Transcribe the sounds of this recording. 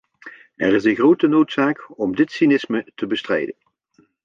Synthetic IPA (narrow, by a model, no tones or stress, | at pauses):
ɛrɪzənɣrowtənowtsaːkɔmdɪtsinɪsmətəbəstrɛ̰jdən